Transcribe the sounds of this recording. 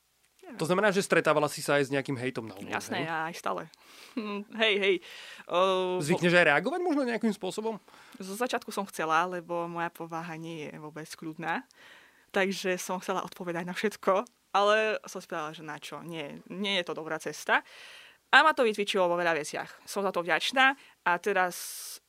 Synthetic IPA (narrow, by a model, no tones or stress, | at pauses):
ɲɛt̪ɔznamɛnaːʒɛst̪ɾɛt̪aːʋalasisaːjzɲɛakimɦɛjt̪ɔmna̰ṵja̰snɛaːjst̪a̰ːlɛ̰ | ɦɛjɦɛj | zʋikɲɛʒajɾɛaɡɔʋaɟmɔʒnɔɲɛakimspʊɔsɔbɔmzɔzat͡ʃɪat̪kusɔmxt͡sɛlalɛbɔmɔjapʰɔʋaːɦaɲɪɛjɛ̰ʋʊɔbɛt͡skʎud̪naː | t̪aɡʒɛsɔmxt͡sɛla̰ʔɔt̪̚pɔʋɛd̪aɟnafʃɛt̪kʰɔ | alɛsɔmspɾaalaʒɛnat͡ʃɔɲɪɛɲɪɛjɛt̪ɔd̪ɔbɾaːt͡sɛst̪a | ʔamat̪ɔʋit̪ʋit͡ʃilɔʋɔʋɛʎaʋɛt͡sɪa̰xsɔmzat̪ɔvɟat͡ʃnaː | ʔat̪ɛɾas